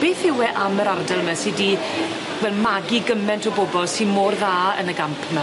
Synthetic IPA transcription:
b̥eːθɪwɛʔaməɾardɛlˠmɛsidi | vɛlˠmaɡiɡəmɛntʰɔboːbɔlˠsinmoːrðaːə̰nəɡampʰmɛ

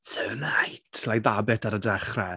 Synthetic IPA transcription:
tʰənajtʰlajðabɪtʰaɾədɛχrɛ

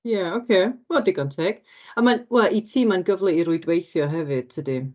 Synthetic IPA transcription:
jaokʰeːɔdɪɡɔntʰɛɡ̥ | amanwɛlˠʔitʰiːmanɡəvlˠiiɾʊɨdwejθjɔɦɛvɨd̥̚tʰədi

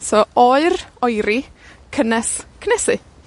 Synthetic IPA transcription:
sɔɔɨɾɔjɾɪkʰənɛskʰnɛsɪ

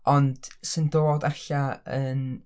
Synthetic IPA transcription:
ɔnd̥səndoːdaɬaən

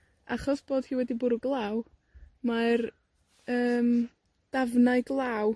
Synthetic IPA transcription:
a̰χɔsb̥oːd̥hiːwɛdibʊɾuɡlˠaːw | mar | əːm | d̥avnaɨɡlˠaw

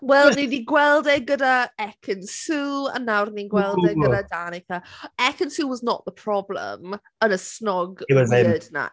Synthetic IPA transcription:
wɛlˠnidiɡwɛlˠdɛɡədəɛkʰə̃nsuːə̰̃nːawɾnĩnɡwɛlˠdɛədədanɪkʰəɛkə̃nsuːwɔznəʔðəpʰɹ̥ɔblə̰m | ənəsnɔɡwɔzɛdnə̰

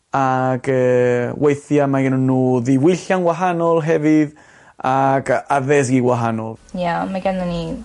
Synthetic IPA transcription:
aɡəːwʔejθjamaɡɪnɔnːuːðiwɪɬjanwaɦanɔlˠɦɛvɨð | aɡaðɛs̬ɡiːɡwaɦanɔlˠjamaɡanəni

